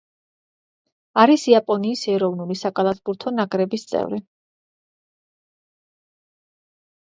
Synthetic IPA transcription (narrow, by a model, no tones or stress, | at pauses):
aɾisiapʼɔniːsɛɾɔvnulisakʼalˠasbuɾt̪ʰɔnaɡʼɾɛbist̪sʼɛ̰vɾi